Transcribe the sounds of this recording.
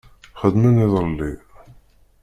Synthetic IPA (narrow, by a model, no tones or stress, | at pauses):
χəd̪mæniðˤɾəlːi